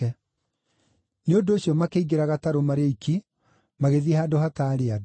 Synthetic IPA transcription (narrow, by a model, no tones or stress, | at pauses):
ɛ | neondoːɕjɔmakeiɡeɾaɣataɾomaɾeikʰi | maɣeðiehaːdoɦataɾead